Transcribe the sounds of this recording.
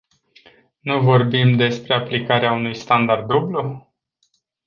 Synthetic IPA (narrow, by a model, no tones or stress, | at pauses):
nuvo̞rbimd̪e̞spɾe̞aplikaɾeaunujst̪and̪ard̪ːublu